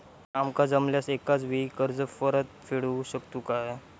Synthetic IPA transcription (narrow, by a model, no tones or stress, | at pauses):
amkad͡zəmljasekat͡sʋikəɾd͡zəfəɾət̪̚fiɽuɕəkt̪ukaɦe